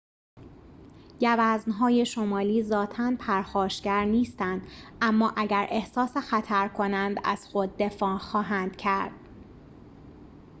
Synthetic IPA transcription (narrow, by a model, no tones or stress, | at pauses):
jævæznɦɒːje̞ʃo̞mɒːliːzɒːt̪ʰænpʰæɾxɒːʃcæɾniːst̪ænd̪̥ʔæmːɒːʔæɟæɾʔe̞hsɒːsexæt̪ʰæɾkʰo̞nænd̪æ̰z̥xo̞d̪̚ːe̞fɒːxɒːɦænd̪̥cʰæɾd̪̥̚